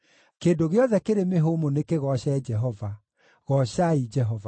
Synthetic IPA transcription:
keːndoɣeɔðɛkeɾemeɦomonekeɣɔɕɛd͡ʒɛɦɔva | ɣɔɕaid͡ʒɛɦɔva

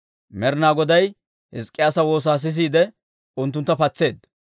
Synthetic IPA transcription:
mɛɾnaːɡɔd̪ɐj | hɪskʼːɪjaːsɐwo̞ːs̬aːs̬ɪs̬iːd̪ɛ | ʊnt̪ːʊnt̪ːɐpɐt͡sːe̞ːd̪

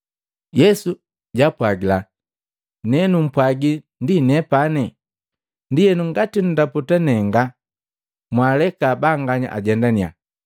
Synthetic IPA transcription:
jɛsu | ɟapwaɡila | nɛnum̩pwaɡi | ndinɛpanɛ | ndijɛnuŋɡatinudaputanɛŋɡa | mwalɛkaːbaŋɡaɲa̰ʔa̰ɟɛndania̰

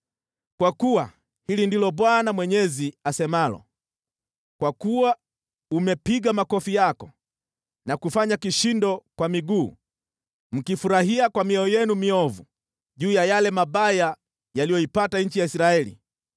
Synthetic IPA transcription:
kwakuwa | hilindilɔɓwanamwɛɲɛziasɛmalɔ̰ | kwakuwa | umɛpiɡamakɔfijakɔ | nakufaɲakiʃindɔkwamiɡuː | m̩kifuɾaɦiakwamiɔɔjɛnumiɔvu | ʄuːjajalɛmaɓaja | jalijɔipataɲ̩t͡ʃijaisɾaɛlḭ

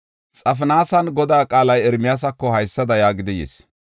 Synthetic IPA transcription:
t͡sʼɐfɪnaːsɐnɡɔd̪aːkʼaːlɐjɛɾmɪjas̬ɐkːɔhɐjsːɐd̪ɐjaːɡɪd̪ɪjḛːs

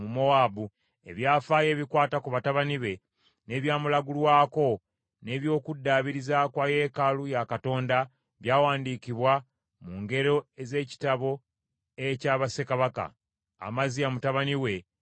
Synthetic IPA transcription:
mumo̞aːbu | e̞̰βjaːfaːje̞ːβikwaːtakuβataβaniβe̞ | ne̞ːβjaːmulaɡulwaːko̞ | ne̞ːβjo̞ːkudːaːβiɾizakwaje̞ːkalujakato̞ːnda | βjaːwaːndikiβwa | muŋɡe̞ɾo̞eze̞ːci̥taβo̞ | ecaːβase̞kaβaka̰ː | maziamutaβaniwe̞

